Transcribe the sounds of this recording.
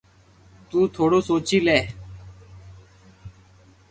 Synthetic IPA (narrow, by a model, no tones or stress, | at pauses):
t̪ũːt̪ʰoːɽoːsoːt͡ʃiːlɛː